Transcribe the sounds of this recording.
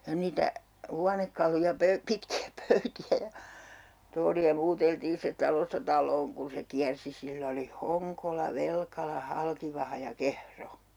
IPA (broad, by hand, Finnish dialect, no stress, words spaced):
jɑ niːtæ huɑnekːɑlujɑ pøy pitkiæ pøytiæ jɑ toːliɑ muːteltiːn̞ sitĕt̆ tɑlostɑ tɑlˑoːn kun̞ se kiærsi silː oli hoŋkolɑ ʋelkɑlɑ hɑlkiʋɑhɑ jɑ kehro